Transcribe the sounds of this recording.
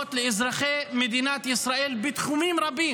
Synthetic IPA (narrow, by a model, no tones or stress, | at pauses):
t̪lɪʔɪzɾɑxeːʔmɪd̪iːnaːt̪ʔɪsɾˤɑːʔiːlbɪt̪xumiːmɾˤɑbːiː